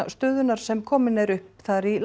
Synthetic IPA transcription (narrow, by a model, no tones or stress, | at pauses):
st̪œːðʏnaɾ̥sɛmkʰɔːmɪnɛɾʏhpθaɾil